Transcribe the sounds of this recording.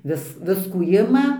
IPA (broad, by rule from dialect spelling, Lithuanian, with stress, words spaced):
ˈʋʲɪs ˈʋʲɪskuː ˈɪmɐ